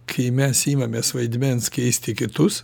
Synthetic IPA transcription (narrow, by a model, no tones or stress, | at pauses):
kʰɐɪmʲɛsiːmɐmʲeːsʋɐɪd̪ʲmʲɛnskʲɛɪsʲt̪ʲɪkʲɪt̪ʊs